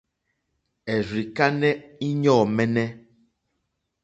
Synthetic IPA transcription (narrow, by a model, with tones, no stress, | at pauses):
ɛ˨ri˨ka˦nɛ˦i˦ɲɔː˦˨mɛ˦nɛ˦